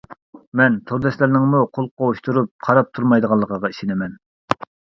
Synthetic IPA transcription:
mɛnt̪ʰoɾd̪ɛslæɾnɪŋmuqʰolˠqʰouʃt̪ʰuɾup̚qʰɑɾɑp̚t̪ʰuɾmɑjd̪əʁɑlˠːəqəʁɑiʃɪnɪmɛn

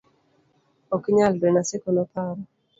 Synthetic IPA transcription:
okiɲaldenasekonɔpʰaɾɔ

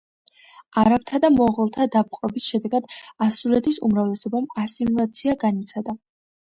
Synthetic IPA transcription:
aɾap̚t̪ʰad̪amɔʁɛlˠt̪ʰad̪ap̚qʼɛbisʃɛd̪ɛɡad̪̥asuɾɛt̪ʰisṵmɾavlɛsɔbamasimulˠat̪sʰiaɡanit̪sʰad̪a

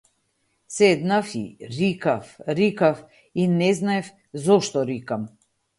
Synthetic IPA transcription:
sɛd̪nafḭɾikafɾikaf | inɛznaɛf | zɔʃt̪ɔɾikam

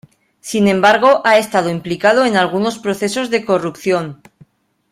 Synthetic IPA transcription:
sinẽ̞mbaɾɣ̞o̞ʔae̞st̪að̞oimplikaðoenalɣ̞uno̞spɾo̞θe̞so̞zðe̞ko̞rupθjo̞n

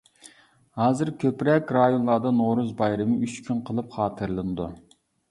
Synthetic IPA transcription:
hɑːzɨɾkʲʰøpɾɛkʲɾɑjonlˠɑd̪ɑnoɾuzbɑjɾɨmɨyt͡ʃkʲʰynqʰəlˠɨpχɑːt̪ʰɨɾlˠɨnɨd̪ṵ

